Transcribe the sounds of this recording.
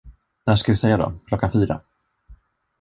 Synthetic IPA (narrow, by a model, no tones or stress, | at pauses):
næːʂkavɪsɛjːad̪ɔ̰kʰlɔkːanfyːɾa̰